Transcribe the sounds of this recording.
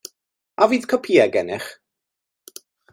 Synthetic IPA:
aviːð̥kʰɔpʰiːaɡɛnɪχ

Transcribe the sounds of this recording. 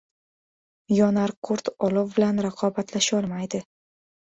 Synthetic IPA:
jɒnaɾqʰoɾt̪ɒlɒwbɪlanɾaqʰɒbat̪ʰlaʃɒlˠmajd̪ɪ

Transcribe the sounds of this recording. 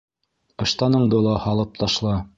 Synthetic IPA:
ɤ̆ʃt̪ɑnɤ̆ɴd̪ɤlˠɑhɑlˠɤp̚t̪ʰɑʃlˠɑ

